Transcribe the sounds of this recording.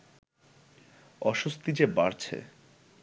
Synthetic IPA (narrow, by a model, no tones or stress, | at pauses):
ɔʃost̪id͡ʑebaɾt͡ɕʰḛ